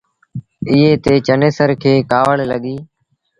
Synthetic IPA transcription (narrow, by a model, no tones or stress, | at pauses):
ɪɦeːt̪eːt͡ʃəneːsəɾkʰeːkaːʋəɭləɠiː